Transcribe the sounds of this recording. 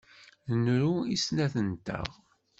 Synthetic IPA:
ənɾuisnæθənt̪æ̰ʁ

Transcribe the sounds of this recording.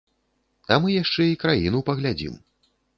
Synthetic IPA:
amɨjaʂt͡ʂɛikɾajinupɐɣlʲad͡zʲḭm

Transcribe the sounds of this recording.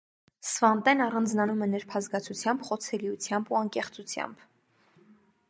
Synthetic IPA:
svɑnt̪ɛnɑrɑnd͡znɑnumɛnɛɾpʰɑzɡɑt͡sʰut͡sʰjɑmbχɔt͡sʰɛliut͡sʰjɑmbuɑŋkɛχt͡sut͡sʰjɑ̰mb̥

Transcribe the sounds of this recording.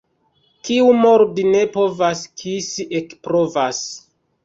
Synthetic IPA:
kiumo̞ɾbine̞po̞vaskʰisiʔekpɾo̞vas

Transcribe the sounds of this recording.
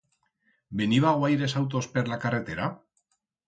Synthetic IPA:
beniβaɣoajɾe̞sawt̪̬ospeɾlakare̞t̪e̞ɾa

